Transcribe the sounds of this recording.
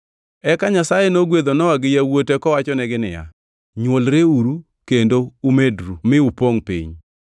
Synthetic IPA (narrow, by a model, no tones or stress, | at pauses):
ɛkaɲasajenoɡwed̪onɔaɡɪjawotekɔwat͡ʃɔnɛɡɪnɪ̰ja̰ | ɲwolɾeuɾu | kendoumedɾumɪupoŋpḭɲ